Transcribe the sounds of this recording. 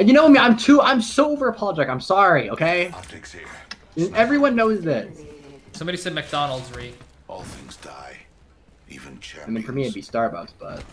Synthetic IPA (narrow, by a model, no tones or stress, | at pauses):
jɨnoʊmiãɪ̃mtʰuãɪ̃msoʊoʊvə˞əpʰɑlˠəd͡ʒɛk̚ãɪ̃msɑɹiʔoʊkʰeɪtʰkḭ | ɨɛvɹiwʌ̃nːoʊzðɪtssʌ̃mbɑɾisɛd̚mɨk̚d̥ɑnl̩ˠdzɹi | ʔɔ̰lˠθɪ̰̃ŋzda̰ɪ | ḭvɨ̃nt͡ʃʰɪmĩnfə˞miɨɪtbistɑɹbaʊksb̥ʌ̰t̚